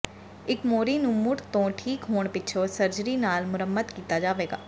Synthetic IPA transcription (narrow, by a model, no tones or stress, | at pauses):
ɪkmoːɾiːnũmʊʈt̪õːʈʰiːkɦoːɳ̃pɪtːʃʰosəɾd͡ʒɾiːnaːlmʊɾəmːəd̪kiːt̪aːd͡ʒaːʋeːɡa̰ː